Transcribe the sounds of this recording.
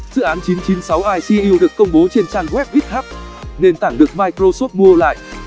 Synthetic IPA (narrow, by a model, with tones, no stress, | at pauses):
zɨ̰˧˨ʔaː˨˦nt͡ɕi˨˦nt͡ɕi˨˦nsa˨˦wʔaː˧jsi˧ʔi˧wɗɨ˨˩əkːə˧wŋ͡mɓo˨˦t͡ɕe˧nt͡ɕaː˧nɣwɛ˦˥p̚wi˦˥t̚haː˦˥p̚ne˧nt̪aː˧˩ŋɗɨ˨˩ək̚maː˧jkɾo˧so˦˥t̚mu˧əla̰ː˧˨jʔ